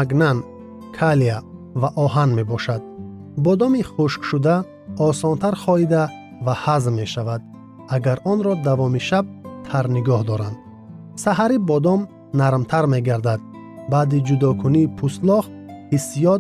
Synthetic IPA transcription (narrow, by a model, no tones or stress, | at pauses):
aɡnan | kʰala | vaʔɔɦanme̞bɔʃad̪̚ | bɔd̪ɔmiχuʃkʃud̪a | ɔsɔnt̪ʰaɾχɔid̪a | vahazmːe̞ʃavad̪̚ | aɡaɾʔɔnɾɔd̪avɔmiʃab̚t̪ʰaɾniɡɔhd̪ɔɾand̪ | saɦaɾibɔd̪ɔm | naɾmt̪ʰaɾme̞ɡaɾd̪ad̪̚ | baːd̪id͡ʒud̪ɔkʰuniːpʰuslɔχ | hisijɔd̪